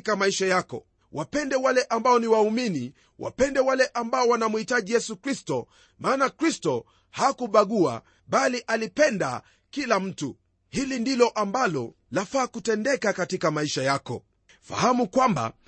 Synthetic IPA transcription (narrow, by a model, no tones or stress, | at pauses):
kamaiʃajakɔ̰ | wʔapɛndɛwalɛʔambaɔniwaumini | wʔa̰pɛndɛwalɛʔambaɔwanamuhitaʄijɛsukɾistɔ | maːnakɾistɔ | hakuɓaɠua̰ | ɓaliʔalipɛnda̰ | kilam̩tu | hilindilɔʔambalɔ | lafaːkutɛndɛkakatikamaiʃajakɔ̰ | fa̰hamukwamba̰